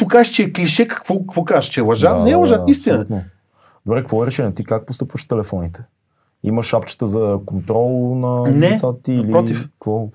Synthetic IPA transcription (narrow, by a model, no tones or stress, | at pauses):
t̪ukaʒt͡ʃɛːkliʃɛkɐ̥kvɔkkvɔkazət͡ʃɛlˠɐʒanɛːlˠɐʒaist̪inət̪no | d̪obɾɛkvɔɛɾɛʃɛnʲiɛt̪ikak̚post̪ɤpvəʃt̪ɛlɛfɔnit̪ɛ̥ | ḭməʃapt͡ʃə̥t̪əzɐkont̪ɾɔlˠnɐnɛsat̪t̪iːlipɾɔt̪ifkvɔ